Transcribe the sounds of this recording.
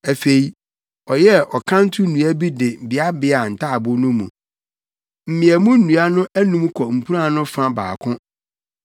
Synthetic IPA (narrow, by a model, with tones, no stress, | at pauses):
æ˨fe˨i˨ | ɔ˨jɛ˦ʔɔ˨kʰã˦n̩˦tʰu˦nũ˨æ˦bi˦dɪ˨bɪ˨a˦bɪ˦a˨n̩˨tʰa˦˨bʊ˦nʊ̃˦mṵ̃˨ | m̩˨mɪ̃˨æ˨mũ˦n̩˦nũ˨a˦nʊ̃˦ʔæ˦nũ˦mkʰɔ˨m̩˨pʰu˦ã˦˨nʊ̃˦fã˦ba̰ː˨kʰʊ̃˦